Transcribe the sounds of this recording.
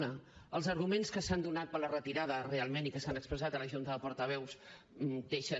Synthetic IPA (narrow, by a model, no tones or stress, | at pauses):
nəəlˠzəɾɣumenskəsand̪unat̪̚pələrət̪iɾaðərealˠmenikəsanəkspɾəzat̪ələʒunt̪əðəpɔɾt̪əβ̞ɛws | d̪eʃə